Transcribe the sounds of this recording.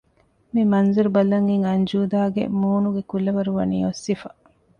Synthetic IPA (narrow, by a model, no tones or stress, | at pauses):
mimɐnzuɾubɐlɐŋiŋɐɲd͡ʒuːd̪aːɡḛmuːnuɡekulːɐʋɐɾuʋɐ̰niːosːifɐ